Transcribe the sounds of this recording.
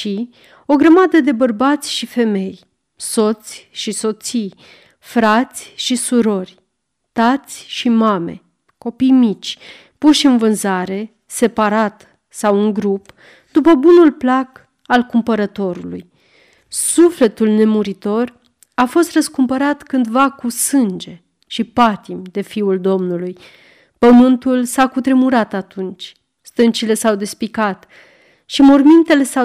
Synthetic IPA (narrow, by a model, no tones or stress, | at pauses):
ʃi | o̞ɡɾəmad̪əd̪e̞bərbat̪sʲʃife̞me̞j | so̞t̪sʲʃiso̞t̪sij | fɾat̪sʲʃisuɾo̞rʲ | t̪at̪sʲʃimame̞̰ | ko̞pijmit͡ʃʲ | puʃɨnvɨnzaɾe̞ | se̞paɾat̪ | sawuŋɡɾup | d̪upəbunulplak | alkumpəɾət̪o̞ɾulṵj | sufle̞t̪ulne̞muɾit̪o̞r | afo̞st̪rəskumpəɾat̪kɨnd̪vakusɨnd͡ʒe̞ | ʃipat̪imd̪e̞fiuld̪o̞mnuluj | pəmɨnt̪ulsakut̪ɾemuɾat̪at̪unt͡ʃʲ | st̪ɨnt͡ʃile̞sawd̪e̞spikat̪ | ʃimormint̪e̞le̞sa